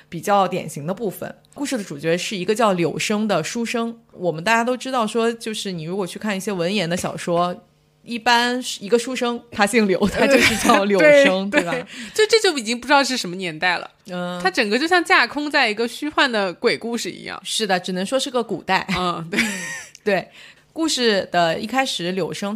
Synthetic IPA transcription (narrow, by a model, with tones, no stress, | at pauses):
pi˨˩t͡ɕjɑ˥˩ʊt̪jɛ̰˨˩nɕi˧˥ŋd̪ə˧pu˥˩fə̰˩n | ku˥˧ʂɻ̩˥˩d̪ə˩ʈ͡ʂu˨˩t͡ɕɥɛ˧˥ʂɻ̩˥˩i˧˥ɡə˧t͡ɕjɑ˥˩ʊljo˧˥ʊʂɤ˥ŋd̪ə˨ʂu˥ʂɤ˥ŋwɔ˨˩mə˦nt̪a˥˩t͡ɕja˥t̪o˥ʊʈ͡ʂɻ̩˥t̪ɑ˥˩ʊʂwɔ˥t͡ɕjo˥˧ʊʂɻ̩˥˩ni˨˩ɻu˧˥kwɔ˨˩t͡ɕʰy˥˧kʰa˥˧ni˥˩ɕjɛ˥wə˧˥njɛ˧˥nd̪ə˧ɕjɑ˨˩ʊʂwɔ˥ | i˥˩pa˥n˩i˧˥ɡə˧ʂu˥ʂɤ˥ŋt̪ʰa˥ɕi˥˩ŋljo˧˥ʊt̪ʰa˥t͡ɕjo˥˧ʊʂʂɻ̩˥˧t͡ɕjɑ˥˩ʊljo˧˥e˥˧ʂɤ˥ŋŋt̪we˥˩bt͡ɕo˥˧ʂʈ͡ʂɤ˥˧˩t͡ɕjo˥˩i˨˩t͡ɕi˥ŋpu˧ɻ̩˥ɑ˥˧˩ʂɻʂə˧˥mə˧njɛ˧˥nt̪a˥˩ɪlə̰˩˥˩a˥ʈ͡ʂə˨˩ŋkə˦t͡ɕjo˥˧ʊɕjɑ˥˧ŋt͡ɕja˥˩kʰʊ˥ŋt͡sa˥˩ɪi˧˥ɡə˧ɕy˥xwa˥˩nd̪ə˩kwe˨˩ɪku˥˧ʂɻ̩˥˩ḭ˧˥jɑ̰˥˩ŋʂɻ̩˥˩d̪ə˩ʈ͡ʂɻ̩˨˩nɤ˧˥ŋʂwɔ˥ʂɻ̩˥˩ɡə˩ku˨˩t̪a˥˩ɪ˥˧˩t̪we˥˩t̪we˥˩ɪ | ku˥˧ʂɻ̩˥˩d̪̥ə˩ḭ˥˩kʰa˥ɪʂɻ̩˨˩˥ljo˨˧˩ʊʂɤ˥ŋ